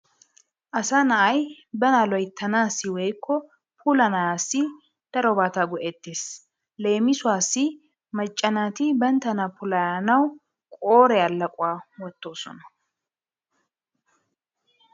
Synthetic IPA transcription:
ʔɐsanɐʔɐj | bɐnaːlɔjt̪ʰːɐnaːsːɪwɛjkːɔ | pʰuːlɐnɐjaːsːɪ | d̪̥ɐɾɔbaːt̪aɡɔʔeːt̪ːeːs | le̞ːmɪsʊwaːsːɪ | mɐt͡ʃʼːɐnaːt̪ɪbɐnt̪ɐnapʊlɐjaːnɐw | kʼoːɾɛɐlːɐkʼʊwaːwɔt̪ːo̞ːsɔ̰nɐ̥

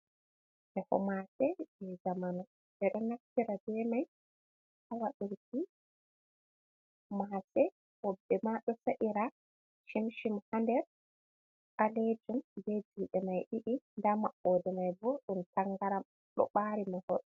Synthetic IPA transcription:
ʔɛhɔ̰masɛb̥ɛzamanɔ | ʔɛɗɔnaftiɾabɛmaj | hawaɗuɾki | masɛ | wɔbːɛmaɗɔsaʔiɾa | ʃimʃimhandɛɾ | ʔaled͡ʒumbed͡ʒiɗɛmajɗiʔindamaɓːɔːdɛmajbɔɗuntaŋɡaɾam | ɗɔ̰ɓaɾimahɔɗɔ

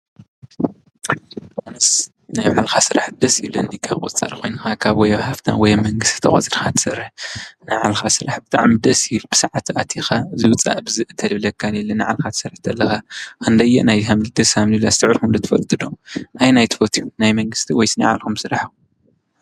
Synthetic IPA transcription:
onɨs | najβʕalxasɨɾaħd̪ɐsilɨnd̪ikʰːakʼṵt͡sʼɐ̰ɾxʰo̞jnɨxakʰaβwɔjɐβhaft̪ʰa̰wɔjmɐŋɡɨst̪ʰi̥t̪ʰɐχʼɐ̰t͡sʼɨɾxat̪ʰɨ̥sɐɾːɨħnɨʕalxasɨɾaħbɨt̪ʼa̰ʕmid̪ɐsjibɨ̥sɨʕat̪ʰat̪ʰixazɨwɨt͡sʼa̰ʔbɨzɨʔɨt̪ʰɐlɨβlɐkʰːanelːɐnɨʕa̰lxat̪ʰsɐɾħt̪ʰɐlːɐxakɨnd̪ɐjːɛ̰ʔnajhamlɨd̪ɐsamlɨlast̪ʰɨʕɾxumd̪ɐt̪ʰfɐ̰lt̪ʼɨd̪oʔajnajt̪ʰɨ̥fot̪ʰijunajmɐŋɡɨst̪ʰiwɔjsɨna̰ʕa̰lkumsɨɾaħu

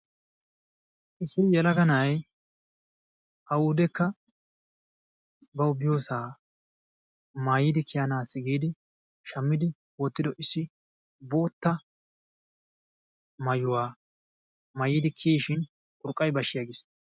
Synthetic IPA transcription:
ʔɪsːɪjɛlɐɡɐnɐj | ʔɐwuːd̪ɛkːɐ | bɐʊbɪjo̞ːsaː | maːjɪd̪ɪkʰɪjanaːsːɪɡiːd̪ɪ | ʃɐmːɪd̪ɪ | wɔt̪ːɪd̪ɔʔɪsːɪ | bo̞ːt̪ːɐ | mɐjʊwaː | mɐjid̪ɪkʰiːʃɪn | kʼʊɾkʼːɐjbɐʃɪjaɡɪs

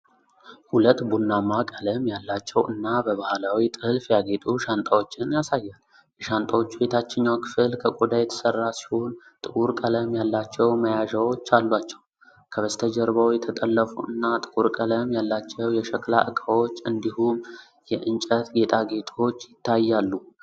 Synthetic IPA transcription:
hulət̪ːbunːamːakʼələmjalːat͡ʃːɛwʔɨnːabəβahlawit̪ʼɨlfjaɡe̞t̪ʼuʃant̪ʼawo̞t͡ʃːɪnjasajːal | jɛʃant̪ʼawo̞t͡ʃːwe̞t̪ʰat͡ʃːɪɲːakʰɨ̥fɨlkʰəkʼud̪ajɛt̪ʰə̥sərːasi̥ho̞n | t̪ʼɨkʼuɾkʼələmjalːat͡ʃːɛwməjaʒawo̞t͡ʃːalːwat͡ʃːɛw | kʰəβəst̪ʰəd͡ʒəɾβəwjɛt̪ʰət̪ʼəlːəfuʔɨnːat̪ʼɨkʼuɾkʼələmjalːat͡ʃːɛwjɛʃəkla̰ʔɨkʼawo̞t͡ʃːɨnd̪ihum | jɛʔɨnt͡ʃʼət̪ɡe̞t̪ʼʰaɡe̞t̪ʰʼo̞t͡ʃːjɪt̪ːajːalːu

